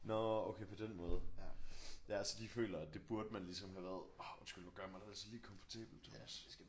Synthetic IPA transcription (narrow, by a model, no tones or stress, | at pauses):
nɔoʊkʰepʰɒ̽d̥enmɔːð̞ˠ | jæælsəd̥ifø̰ːlɐæd̥e̝b̥uɐd̥əmænlisɒ̽mɦæʋæɐð̞ˠɒdesɡ̥ulnɔɡ̥ɶɐmɑ̈ɪdeæl̰t͡ssʰiliːkʰɒ̽mfɒ̥t͡sʰḛːb̥l̩d̥